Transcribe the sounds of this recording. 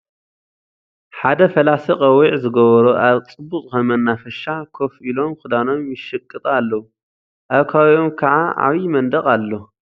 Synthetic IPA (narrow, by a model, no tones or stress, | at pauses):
ħad̪ɐfɐlasiqʼɐwiʕzɨɡɐβɐɾuʔaβt͡sʼɨbːuχʼkɐmɐnːafɐʃakʰo̞filo̞mkɨd̪ano̞mjɪʃɨkʼːɨt̪ʼalːɐwu | ʔaβkʰawomkʰɐʕaʕa̰βimɐnd̪ɐχʼalːo